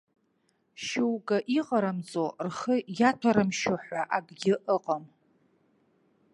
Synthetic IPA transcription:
ʃewɡʼaʔiqʼaɾamt͡sʼorχəjatʰaɾɨmʃoħʷaʔaɡʼɡʲɪʔəqʼam

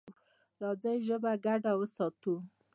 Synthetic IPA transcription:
ɾɑd͡zajʒəbaɡaɖawəsɑt̪u

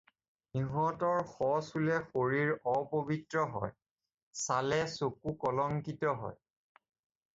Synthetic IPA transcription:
niɦɔtɔɹxɔsulɛxoɹiɹɔpobitɹɔɦɔ̰j | salɛsokukɔlɔŋkitɔɦɔ̰j

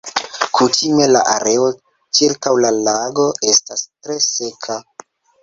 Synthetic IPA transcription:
kʰutʰime̞la̰ʔa̰ɾe̞o̞ | t͡ʃiɾkawlalaɡo̞ʔe̞stastɾe̞se̞kʰa

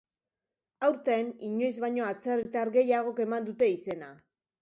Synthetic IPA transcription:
awɾt̪e̞niɲo̞jzβaɲo̞at͡serit̪aɾɡe̞jaɣ̞o̞ke̞mand̪ut̪e̞ise̞na

